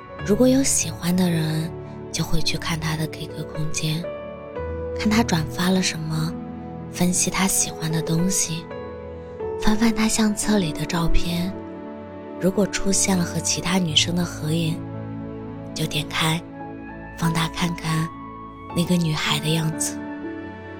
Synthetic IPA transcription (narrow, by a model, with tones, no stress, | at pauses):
ɻu˧˥kwɔ˧˥jo˧˥ʊɕi˨˩xwa˥nd̪ə˨ɻə˧˥n | t͡ɕjo˥˧ʊxwe˥˧ɪt͡ɕʰy˥˧kʰa˥˩nt̪ʰa˥d̪ə˨ke˥˩ɪkʰɤ˥kʰʊ˥ŋt͡ɕjɛ˥n | kʰa˥˩nt̪ʰa˥ʈ͡ʂwa˨˩nfa˥lə˨ʂə˧˥nmə˧ | fə˥nɕi˨t̪ʰa˥ɕi˨˩xwa˧˥nd̪ə˨t̪ʊ˥ŋɕi˨˩ | fa˥nfa˥˧nt̪ʰa˥ɕjɑ˥˧ŋt͡sʰɤ˥˩li˨˩d̪ə˦ʈ͡ʂɑ˥˧ʊpʰjɛ˥˩n | ɻu˧˥kwɔ˨˩ʈ͡ʂʰu˥ɕjɛ˥˩nlə˩xɤ˧˥t͡ɕʰi˧˥t̪ʰa˥ny˨˩ʂɤ˥ŋd̪ə˨xɤ˧˥i˥˩n | t͡ɕjo˥˩ʊt̪jɛ˨˩nkʰa˥˧ɪ | fɑ˥˧ŋt̪ʰa˥kʰa˥˩nkʰa˥˩n | na˥˩ɡə˩ny˨˩xa˧˥ɪd̪ə˧jɑ˥˩ŋd͡zɹ̩˨˩